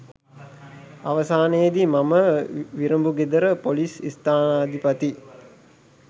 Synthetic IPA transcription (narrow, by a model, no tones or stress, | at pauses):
aʋəsaːnejːd̪imaməʋiɾəmbuɡed̪əɾəpolisḭst̪aːnaːd̪ipat̪i